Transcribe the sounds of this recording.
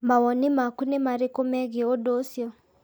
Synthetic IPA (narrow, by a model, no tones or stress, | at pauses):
mawɔnimakunimaɾikomɛɣiodosjɔ